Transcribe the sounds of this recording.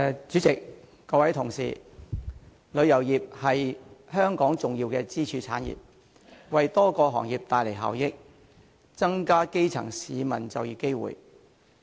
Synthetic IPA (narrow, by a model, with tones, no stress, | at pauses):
t͡ʃyː˨˥t͡sɪ˨k̚ː | ɔː˧wɐ˨˥jt̪ʰʊ˨˩ŋsḭː˨˩ | lɵ˨˧ɥjɐ˨˩wjiː˨˩p̚hɐ˨jhœː˥ŋkɔː˨˥ŋt͡sʊ˨ŋjiː˧wkɛː˧t͡siː˥t͡ʃʰyː˧t͡sʰaː˨˥njḭː˨˩p̚ | wɐ˨jt̪ɔː˥kɔː˧ɦɔ̰ː˨˩ŋjiː˨p̚t̪aː˨jle˨˩jɦa̰ː˨wjɪ˥k̚ | t͡sɐ˥ŋkaː˥ke˥jt͡sʰɐ̰˨˩ŋsiː˨˧mɐ˨˩nt͡sɐ˨wjiː˨˧ke˥jwṵː˨˩j